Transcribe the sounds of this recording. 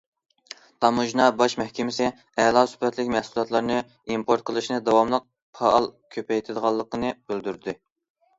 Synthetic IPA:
t̪ʰɑmuʒnɑbɑʃmɛhkʲʰɪmɪsɪ | ɛlˠɑsy̥pɛt̪lɪkʲmæhsulˠɑt̪lˠɑɾnɨ | impʰoɾt̪̚qʰəlˠɨʃnɨd̪ɑwɑmlˠəq̚ | pʰɑɑlˠkʲʰøpɛjt̪ʰɪd̪əʁɑlˠːəqənɨbyld̪yɾd̪ɪ

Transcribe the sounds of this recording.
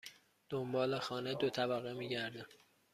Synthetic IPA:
d̪̥ombɒːlexɒːned̪ot̪ʰæbæɣemiːɟæɾd̪æm

